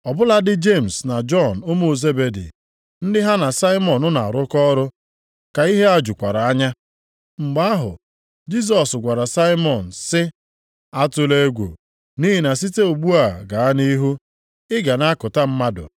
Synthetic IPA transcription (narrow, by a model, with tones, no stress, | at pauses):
ɔ˨bʊ˦la˦dɪ˦d͡ʒe˦˨m̩˨sna˨d͡ʒɔ˦˨nʊ˦mo˦˨ze˦be˨dḭ˨ | n̩˦dɪ˦ɦa˦na˨sa˦ɪ˦mɔ˨nʊ˦na˨a˨ɾʊ˦kɔ˦ɾʊ˦ | ka˨i˦ɦe˦a˦d͡ʒʊ˨kʷa˨ɾa˨a˦ɲa˦ | ŋ͡m̩˨ɡ͡ba˦ɦʊ̰˨ | d͡ʒi˦s̬ɔ˨sɡʷa˨ɾa˨sa˦ɪ˦mɔ˨n̩˨sɪ˦ | a˦tʊ˦le˦ɡʷo̰˨ | ni˦ɦi˨na˨s̬i˦te˦o˨ɡ͡bu˦a˨ɡa˨a˦ni˦ɦu˦ | ɪ˦ɡa˨na˦kʊ˨ta˦m̩˦ma˦dʊ̰˨